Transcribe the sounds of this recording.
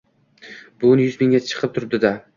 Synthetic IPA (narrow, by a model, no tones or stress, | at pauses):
b̥ʊnjʊzmɪŋɡʲat͡ʃʰɨ̥qʰɨp̚t̪ʰʊɾɪp̚d̪ɪd̪a